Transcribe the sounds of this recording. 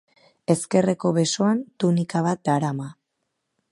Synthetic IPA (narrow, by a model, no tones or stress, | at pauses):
e̞ske̞re̞ko̞βe̞so̞ant̪unikaβat̪̚d̪aɾama